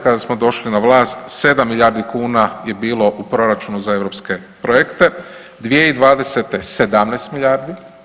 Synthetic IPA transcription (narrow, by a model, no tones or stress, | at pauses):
kad̪asmo̞d̪o̞ʃlinaʋlˠaːst̪se̞d̪amːiʎaɾd̪ikuːnaje̞biːlˠo̞ʔupɾo̞ɾat͡ʃunuzae̞ʋɾo̞ːpske̞pɾojekt̪e̞ | d̪ʋije̞id̪ʋaːd̪e̞set̪esed̪amneːst̪miʎaːɾd̪i